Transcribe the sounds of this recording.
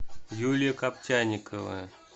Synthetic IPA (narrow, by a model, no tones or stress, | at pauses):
julʲjəkap̚tʲanʲikəvə̰ə